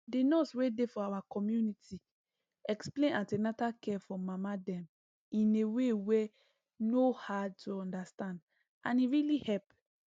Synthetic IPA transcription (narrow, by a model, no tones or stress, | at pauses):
denɔswedefɔawakɔmjunitʰi | ɛksplẽnãntenatakʰɛfɔmamadɛ̃m | ĩnewewe | nohad̚tʰuɔ̃ndastãnd | ã̰niɹilihɛp